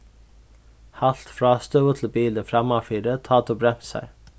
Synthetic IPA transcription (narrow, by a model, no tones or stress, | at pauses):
hɑl̥t̪fɾɑːst̪œət̪ʰl̩biːləfɾɑmɑfiːɾət̪ʰɑːt̪ʰubɾɛm̥t̪sæ̰ɪ